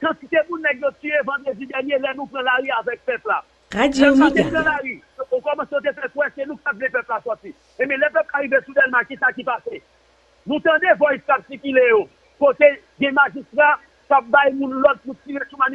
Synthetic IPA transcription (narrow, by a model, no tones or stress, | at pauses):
kãt͡sit̪emũnːɛ̃kjot͡syevãd̪ʁed͡zid̪ɛʁnjelɛnũpʁãlaʁiavɛk̚pɛpla | aũt̪epɣãlaʁi | okɔmɐ̃seot̪efɛpuwɛsenũktapvɛ̃pɛplasɔt͡si | ẽmɛ̃lɛpɛp̚kaɣivesudɛlmãkisakipase | nũt̪ɐ̃d̪evɔjskapsikilejo | kot̪e | ɡɛ̃maʒist̪ʁa | kap̚bajmũnlɔt̪̚put͡siʁesumani